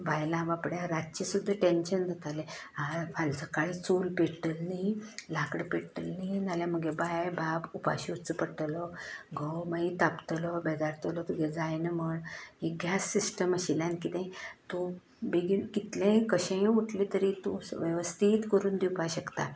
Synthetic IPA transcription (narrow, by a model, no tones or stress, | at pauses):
bajlãʋapɽjaɾat̚t͡ɕisud̪ʱːaʈenɕənd͡z̪ʱat̪aleafʰalt͡səkaɭit͡sulpeʈəlnilakɽəpeɽʈəlninaljam̤əɡebajbabupa̰ɕiut͡səpəʈəlɔɡʱɔwməit̪apt̪əlɔbɛd̪aɾt̪əlɔt̪uɡed͡zajnməɳɦeɡjasːisʈəməɕilãnkit̪ẽt̪o | beɡikit̪lẽkəɕẽuʈʰlit̪əɾit̪oʋjəʋəst̪ʰiːt̪kəɾuːnd̪iwpaɕəkt̪a̰